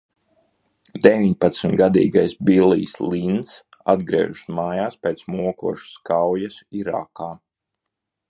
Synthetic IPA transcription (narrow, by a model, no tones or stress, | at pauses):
d̪eʋiɲpat̪smʲɡad̪ḭːɡajsbiliːslˠins | a̰d̪ɡɾiɛ̰ːʒusmaːjaːspʲeːt̪smuɔkuɔʃskawjasiɾa̰kaː